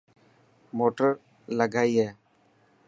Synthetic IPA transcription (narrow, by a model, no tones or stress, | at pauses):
moːʈəɾ | ləɡaːiːɦɛː